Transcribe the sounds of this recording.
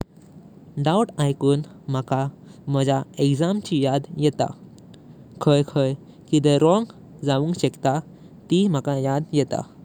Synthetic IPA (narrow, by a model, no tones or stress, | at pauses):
ɖauʈajkuːn | m̤əka | m̤əd͡ʑaekd͡zamt͡ɕijad̪jɛt̪a̰ | kʰəjkʰəj | kid̪əɾɔŋɡ | d͡zaʋuŋkɕɛkt̪a | t̪im̤əkajad̪jɛt̪a̰